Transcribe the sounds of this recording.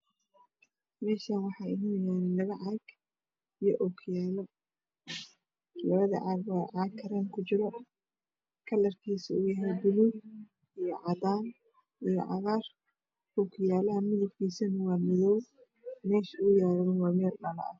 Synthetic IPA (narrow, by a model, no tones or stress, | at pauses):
mɛːʃaːnwɑħɑjɪɦɪnɐjaːnlɐβɐʕɑɡ | ijɔʔɔkʰɪjaːlɐ | lɐβɐðɐ̰ʕɑːɡwɑːʕɑːkʰɐɾɐŋkʰʊt͡ʃɪlɔ | kʰɐlɐrkʰiːsɐuːjɐɦɛjbʊluɡ | ijɞʕɑd̪aːn | ijɔ̰ʕɑɣaːr | ɔkʰɪjaːlɐɦɐmɪðʊbkʰiːsɐnɐwɑːmɪðɔw | mɛːʃʊjaːɾɐːwɑːmɛːlnɐlɐ̰ʔɐ̰